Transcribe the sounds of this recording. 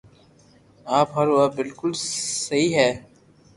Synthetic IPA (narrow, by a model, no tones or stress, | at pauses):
aːpɦəɾaːbɪlkʊlsɐɦiːɦɛː